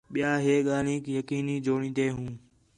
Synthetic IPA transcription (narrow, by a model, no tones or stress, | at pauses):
ɓɪjaːɦeːɠaːl̤ĩːkijəkiːniːd͡ʒoːɳ̃ĩːd̪eːɦũː